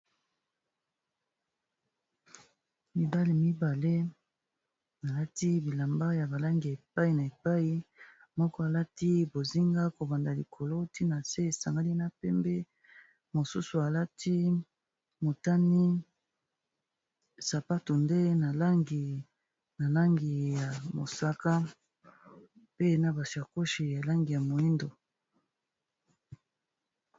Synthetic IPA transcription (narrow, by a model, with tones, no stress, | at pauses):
mi˨ba˦le˦mi˦ba˨le˦ | a˨la˦ti˦bi˨la˨mba˦ja˨ba˨la˦ŋɡi˨e˨p̚a˦i˨na˨e˨pa˦i˦ | mɔ˦kɔ˦a˨la˦ti˦bo˨zi˦ŋɡa˦ko˨ba˨nda˨li˨kʰo˨lo˦ti˦na˨se˦e˨sa˨ŋɡa˦li˦na˦pɛ˦mbɛ˦ | mo˨sṵ˦su˨a˨la˦tʰi˦ | mo˨ta˦ni˦ | sa˨pa˦to˨nde˦na˨la˦ŋɡi˨ | na˨la˦ŋɡi˨ja˨mo̰˨sa˦ka˦ | pe˦na˦ba˨si˨a˨ko˦ʃi˨ja˨la˦ŋɡi˨ja˨mo˨i˦ndo˨